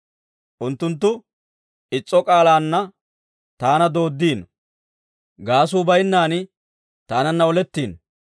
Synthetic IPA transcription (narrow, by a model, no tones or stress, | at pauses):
ʔʊnt̪ːʊnt̪ːʊ | ɪt͡sʼːɔkʼaːlaːnːɐ | t̪aːnɐd̪o̞ːd̪ːiːn | ɡaːs̬uːbɐjɪnːaːnɪ | t̪aːnɐnːɐɔlɛt̪ːiːn